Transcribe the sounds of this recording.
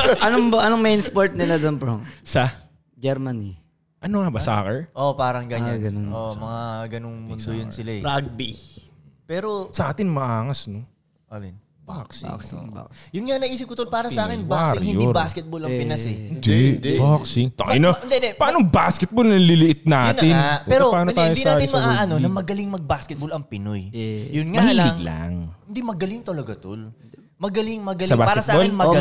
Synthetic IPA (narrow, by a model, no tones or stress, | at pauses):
ʔɐnoŋʔɐnoŋmejnspoɹt̪̚nɪlad̪onpɾomsɐ | d͡ʒɛɾmɐni | ʔɐnoŋɐbɐsa̰ːkɛʔopaːɾɐŋɡɐɲaɡɐnonomɐŋaɡɐnoŋmʊnd̪ojʊnsɪlaɛɾaɡ̚bi | pɛːɾosɐʔaːt̪ɪnmɐʔaːŋɐsno | ʔalɪn | baksa̰ka̰jʊnŋanɐʔiːsɪp̚kʊt̪olpaːɾɐɐʔaːkɪnbaaksɪɾŋhɪnj̪ibaːskɛt̪̚bolɐŋpɪnɐsɛɪnd̪ɛbaksɪŋt̪ɐŋɪnɐd̪ɛnd̪ɛpɐʔaːnobaskɛt̪̚bolnɐlɪlɪʔɪt̪̚naːt̪ɪnpɛːɾopaːnod̪t̪aːjod̪inaːj̪ɪsmɐɡɐnonɐmɐɡɐlɪŋmɐɡ̚baskɛt̪̚bolɐŋpɪnojjʊnŋmɐhiːlɐɪŋɡla̰ŋɪnd̪imɐɡɐlɪŋt̪ɐlɐɡɐt̪o̰l | mɐɡɐlɪŋmɐɡɐlsɐbaːpaːɾkɐst̪̚ɐbolɪnmɐ